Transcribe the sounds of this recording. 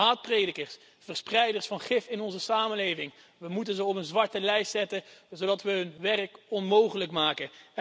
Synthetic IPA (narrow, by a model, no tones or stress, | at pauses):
aːt̚prejdəkəɹs | fərsprɛjdəɹsfɑnχɪfɪnɔnzəsaːmənlejvɪŋ | ʋəmutənzəɔpənzʋɑɹtəlɛjstsɛtəzowdɑtʋəɦɵnʋɛrkɔnmowχələkmaːkə